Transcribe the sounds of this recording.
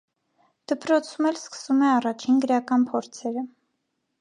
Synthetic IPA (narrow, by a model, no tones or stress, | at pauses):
d̪̥əpɾɔt͡sʰumɛlskə̥sumɛɑrɑt͡ʃʰinɡəɾɑkɑnpʰɔɾt͡sʰɛɾə